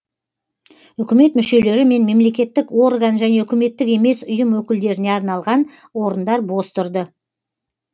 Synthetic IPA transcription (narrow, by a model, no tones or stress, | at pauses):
ʏkʲɪme̞t̪mʏʃe̞le̞ɾɪme̞nme̞mle̞kʲe̞t̪ːɪkwo̞ɾɡanʒæne̞ʏkʲɪme̞t̪ːɪke̞me̞sʊjəmwɵkʲɪld̪e̞ɾɪne̞ɑɾnɑlˠʁɑn | wo̞ɾənd̪ɑɾbo̞st̪ʊɾd̪ə